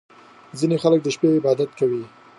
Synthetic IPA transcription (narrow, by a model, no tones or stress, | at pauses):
zinexalək̚d̪əʃpeɪbɑd̪at̪̚kawi